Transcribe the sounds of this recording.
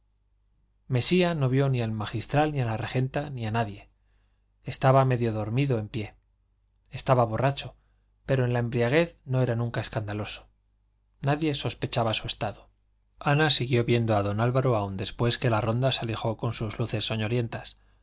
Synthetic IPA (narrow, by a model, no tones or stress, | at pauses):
me̞siano̞βjo̞nialmaxist̪ɾalnialare̞xe̞nt̪anianaðje̞ː | st̪aβame̞ðjo̞ðo̞ɾmiðo̞empje̞ | est̪aβaβo̞rat͡ʃo̞ | pe̞ɾo̞e̞nlae̞mbɾiaɣ̞e̞θno̞e̞ɾanũŋkae̞skand̪alo̞so̥ | naðje̞so̞spe̞t͡ʃaβasue̞st̪aðo | anasiɣjo̞βje̞nd̪oaðo̞nalβaɾoaund̪e̞spwe̞ske̞laro̞nd̪asalixo̞ko̞nsuzluθe̞sːoɲo̞lje̞nt̪as